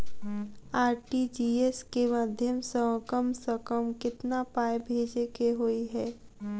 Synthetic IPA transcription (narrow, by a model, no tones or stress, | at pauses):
aːɾʈid͡ʒiːeskemaːd̪ʱjəmsə̃kəmsəkəmkɪt̪napaːjbʱeːd͡ʒekeɦoiɦɛː